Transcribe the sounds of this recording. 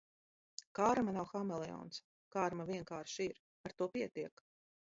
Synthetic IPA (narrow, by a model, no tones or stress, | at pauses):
kaːɾmanawxamɛlˠɛɔ̰ːns | kaːɾmavʲiɛŋkaːɾʃiɾ | aɾt̪uɔpiɛt̪iɛk